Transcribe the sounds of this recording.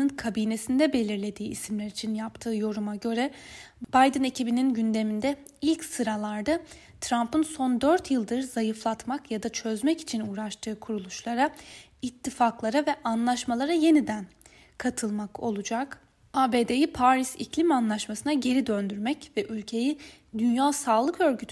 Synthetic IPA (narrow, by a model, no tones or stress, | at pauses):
ɯnkʰabiːne̞sind̪ɛbe̞lʲiɾlʲe̞d̪iːisimlʲæɾit͡ʃʰinjapt̪ʰɯːjo̞ɾumaɟø̞ɾɛ | b̥ajd̪ɯne̞cʰibininɟynd̪e̞mind̪ɛ | ilʲcsɯɾalˠaɾd̪ɯ | t̪ʰɾampɯnso̞nd̪øɾt̪ʰjɯlˠd̪ɯɾz̥ajɯflˠat̪makjad̪at͡ʃʰøzmɛci̥t͡ʃʰinuːɾaʃt̪ʰɯːkʰuɾulˠuʃlˠaɾa | it̪ʰːifaklˠaɾavɛʔanlˠaʃmalˠaɾaje̞nid̪æn | kʰat̪ʰɯlˠmakʰo̞̰lˠud͡ʒak | aːbe̞ːd̪e̞jipʰaɾisiclʲimanlˠaʃmasɯnaɟe̞ɾid̪ønd̪yɾmɛcvɛʔylʲcʰe̞jid̪ynjaːsaːlˠɯkø̞ɾɟyt̪ʰ